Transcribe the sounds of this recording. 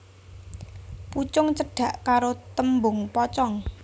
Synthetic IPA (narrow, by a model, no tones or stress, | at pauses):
put͡ʃʊŋt͡ʃəɖ̥ä̤ʔkaɾot̪əmbʊŋpɔt͡ʃɔŋ